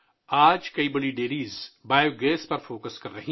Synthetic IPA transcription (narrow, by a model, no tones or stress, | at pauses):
aːd͡ʒkɐibɐɽiɖeːɾiːzbaːjoɡeːspɐɾfoːkəskɐɾːɐɦĩ